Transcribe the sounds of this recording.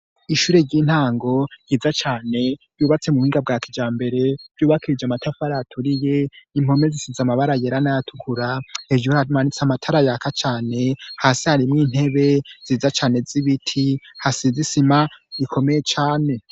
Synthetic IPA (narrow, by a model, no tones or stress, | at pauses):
iʃuːɾe̞ɾɟiːn̥haːŋɡo̞j̥iːzat͡ʃaːne̞̥ | juːβat͡se̞muhiːŋɡab̚ɡaːkid͡ʒaːmbe̞ɾe̞v̥ɟuːβakiɾid͡ʒamatafaɾatʰuɾije̞im̥ho̞me̞zisizamaβaɾajeɾanajatʰu̥kʰuɾaeʒuamanit͡samatʰaɾajakat͡ʃaːne̞haːsihaɾimŋiːn̥he̞βe̞z̥iːzat͡ʃaːne̞ziβitʰihasizisimaikʰo̞meje̞t͡ʃaːne̞